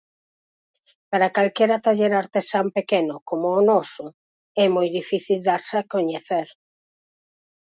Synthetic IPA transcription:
paɾakalkɛɾat̪aʎeɾaɾt̪esampekenʊkomʊːnɔsʊ | ɛmojðifiθild̪aɾsakoɲeθeɾ

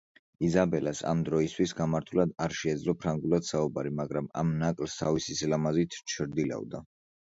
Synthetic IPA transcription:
izabɛlasa̰md̪ɾɔist̪ʰwisɡamaɾt̪ʰulad̪aɾʃɛːd̪zlɔpʰɾaŋɡulˠad̪̥saubaɾimaɡɾama̰mnakʼlst̪ʰavisisilamazit̪ʰt͡ʃʰɾd̪ila̰vd̪a

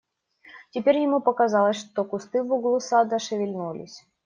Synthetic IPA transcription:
tʲɪpʲeɾʲjɪmupəkazalˠəsʲʂt̪okʊst̪ɨvʊɡlˠusad̪əʂɨvʲɪlʲnulʲɪ̰sʲ

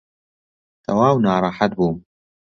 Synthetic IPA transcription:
t̪ʰɐwaːwnaːɾˤɑħat̪̚buːm

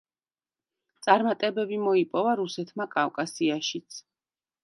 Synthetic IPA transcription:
t̪sʼaɾmat̪ʼɛbɛbimɔipʼɔvaɾusɛt̪ʰmakʼafkʼasiaʃit̪sʰ

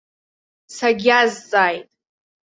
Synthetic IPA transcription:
saɡʲazt͡sʼaːjtʼ

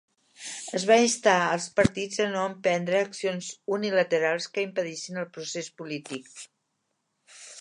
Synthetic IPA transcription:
əzβainst̪aəlˠspəɾt̪id͡zənoəmpɛnd̪ɾəːksionzunilət̪əɾalˠskəimpəðiʃinəlˠpɾusespulit̪ik̚

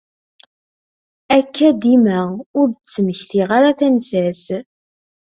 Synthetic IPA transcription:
ækːæd̪imæʊɾðət͡sːəməçθiʁaɾaθænsæs

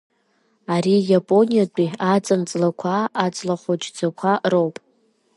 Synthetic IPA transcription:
aɾijapʼo̞nʲijatʷʼiat͡sʼant͡sʼlakʷʰaːt͡sʼlaχʷot͡ʃʼd͡zakʷʰarowpʼ

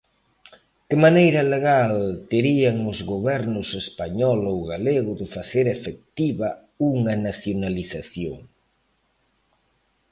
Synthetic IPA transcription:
kɪmanejɾɐleɣalt̪eɾiaŋʊzɣoβɛɾnʊsespaɲɔlowɣaleɣʊðɪfaθeɾefek̚t̪iβɐ | uŋɐnaθjonaliθaθjo̰ŋ

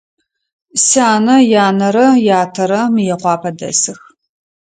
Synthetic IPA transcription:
saːnɐjaːnɐɾɐjaːtʰɐɾɐmɨjɛqʷɑːpʰɐdɐ̰sɨx

